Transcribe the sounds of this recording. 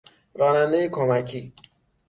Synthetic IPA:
ɾɒːnænd̪ejekʰomæcʰiː

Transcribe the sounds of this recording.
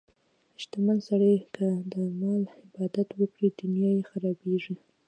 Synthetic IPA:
ɪʃt̪amansaɽəjkʰəd̪əmɑlhɪbɑd̪at̪wəkɽid̪ʊnjɑjexaɾɑbeʐi

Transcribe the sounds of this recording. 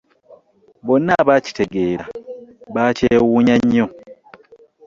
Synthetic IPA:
bo̞nːaβaci̥te̞ɡe̞ːɾaβaːceːwuːɲaɲːo̞

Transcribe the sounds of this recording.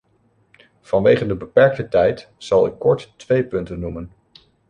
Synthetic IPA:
v̥ɑnʋejχəndəbəpɛɹk̚tətɛjt | z̥ɑlˠɪkːɔɹtːʋejpɵntənːumən

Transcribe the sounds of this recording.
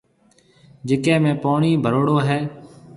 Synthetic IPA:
d͡ʒeːkẽːmẽːpoːɳiːbʱəɾoːɽoːɦɛː

